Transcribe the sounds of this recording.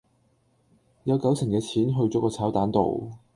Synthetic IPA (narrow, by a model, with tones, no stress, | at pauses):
jɐ˨˧wkɐ˨˥wt͡sʰɪ˨˩ŋkɛː˧t͡sʰiː˨˥nɦɵ˧ɥt͡sɔː˨˥kɔː˧t͡sʰaː˨˥wt̪aː˨˥nt̪o̰˨w